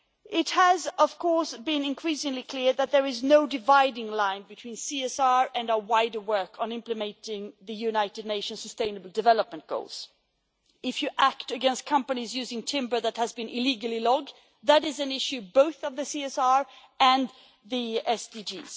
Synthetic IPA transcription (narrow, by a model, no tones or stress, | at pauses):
ɪt̚həzʌv̥kʰɔɹsbɪ̃nɨ̃nkʰɹ̥isɪ̃ŋlikʰl̥ɪɹðɨt̪̚ðə˞ɨznoʊdɨvaɪdɪ̃ŋlãɪ̃nbɨtʰw̥ĩnsiɛsɑɹɨ̃nʊəwaɪdə˞wɜ˞kʰn̩ɪ̃mplɨmɛ̃ntɪ̃ŋðɨjʉnaɪɾɨdⁿneɪʃɨ̃nsəstẽɪ̃nəbl̩ˠdɨvɛlˠəp̚mə̃nɡ̥o̰ʊlˠz̥ | ɪfjɨʔæktɨɡɛ̃nstkʰʌ̃mpɨnizjʉzɪ̃ŋtʰɪ̃mbə˞ðɨt̚hɨzbɨ̃nʔɪliɡl̩ˠilɔɡ̚ | ðɨɾɨzɨ̃nɪʃʉboʊθʌvðɨsiɛsɑɹ | ɨ̃n | ðiɛsdid͡ʒḭz̥